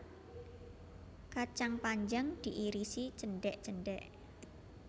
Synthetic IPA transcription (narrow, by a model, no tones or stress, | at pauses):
kat͡ʃaŋpaɲd͡ʒaŋd̪̥iʔiɾisit͡ʃənɖɛʔt͡ʃəɳɖɛʔ